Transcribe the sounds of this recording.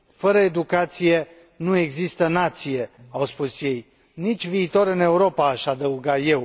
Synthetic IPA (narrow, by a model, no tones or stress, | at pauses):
fəɾəed̪ukat̪sije̞ | nue̞ɡzist̪ənat̪sije̞awspusje̞j | nit͡ʃʲviːt̪o̞ɾɨne̞uɾo̞paːʃʲad̪əuɡat̪je̞w